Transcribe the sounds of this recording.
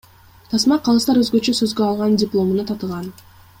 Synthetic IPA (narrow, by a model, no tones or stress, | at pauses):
t̪ʰɑsmɑqʰɑlˠɯst̪ɑɾøzɡø̞t͡ʃøsø̞zɡøɑlˠʁɑndʲɪplˠo̞munut̪ʰɑt̪ɯʁɑn